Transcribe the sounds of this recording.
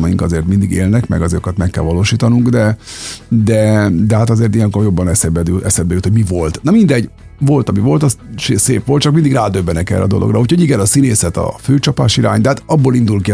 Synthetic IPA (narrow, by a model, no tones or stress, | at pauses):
mɒjiŋkɒzeːrt̪mind̪iɡḛːlnɛkmɛ̰ɡɒzokɒt̪mɛkːɛ̰lvɒloːʃiːt̪ɒnuŋɡd̪ɛ | d̪ɛd̪ɛɦat̪ɒzeːrt̪ijɛŋkorjo̞bːɒnɛsɛbɛd̪yʔɛsɛb̪bɛyt̪hoɟmivo̞lt̪nɒmind̪ɛɟ | vo̞lt̪ɒmivo̞lt̪ɒsʃeseːpʋolt̪̚ːt͡ʃɒk̚mind̪iɡraːd̪øbːɛnɛkɛ̰rːɛ̰d̪o̞̰lʔoɡrʔɒuːcʰho̞ɟiɡɛnɒsineːsɛt̪ɒ̰føːt͡ʃɒpa̰ːʃiɾa̰ːɲtd̪ɛhat̪ɒbːoːlind̪ulki